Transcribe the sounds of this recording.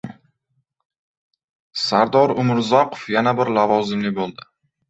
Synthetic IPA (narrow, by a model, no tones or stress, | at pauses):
saɾd̪ɒɾʊmɪɾzɒqʰo̥fjanabɪɾlavɒzɪmlɪbolˠd̪ɪ